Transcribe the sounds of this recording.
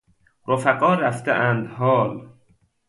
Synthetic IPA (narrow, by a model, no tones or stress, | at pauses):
ɾofæqɒːɾæft̪eʔænd̪hɒːl